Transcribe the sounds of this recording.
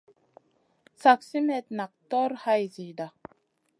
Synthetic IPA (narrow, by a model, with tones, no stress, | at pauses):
sa˨ksi˦mɛt̪̚na˨k̚t̪ɔ˦ɾha˦jzi˨d̪a˨